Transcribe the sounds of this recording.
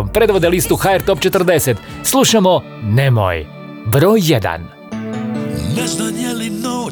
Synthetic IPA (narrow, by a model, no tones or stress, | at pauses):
ompɾe̞d̪ʋo̞d̪elist̪uxaeɾt̪o̞pt͡ʃe̞t̪r̩d̪e̞set̪ | slˠuʃamo | nemo̰j | bɾoːjːed̪a̰n | nɛznaɲelino